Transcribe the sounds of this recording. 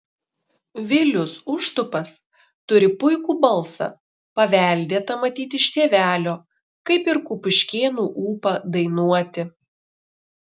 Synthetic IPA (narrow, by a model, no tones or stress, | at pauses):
ʋʲɪlʲʊsʊʃt̪ʊpɐs | t̪ʊɾʲɪpʊɪkuːbɐlˠsɐ̰ | pɐʋʲæˑlʲd̪ʲeːt̪ɐmɐt̪ʲiːt̪ʲɪɪʃʲt̪ʲeːʋʲæːlʲoː | kɐɪpɪɾkupʊʃʲkʲeːnuːʔuːpɐd̪ɐɪnuɔt̪ʲɪ